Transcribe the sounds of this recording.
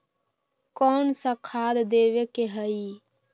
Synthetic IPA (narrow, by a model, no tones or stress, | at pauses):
kɔnsakʰad̪d̪eʋekeɦəi